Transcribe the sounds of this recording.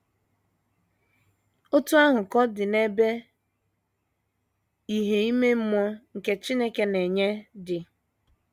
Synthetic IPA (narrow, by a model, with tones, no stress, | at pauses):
o˦tu˦a˦ɦʊ˨kɔ˦dɪ˨ne˦be˦ | i˦ɦe˨i˦me˦m̩˦mɔ˦ŋ̩˨ke˦t͡ʃi˦ne˦ke˦ne˨ɲe˦dɪ˨